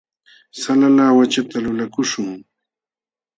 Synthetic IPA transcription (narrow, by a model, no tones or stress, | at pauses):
salalaːwat͡ʃat̪alʊlakʊʃʊŋ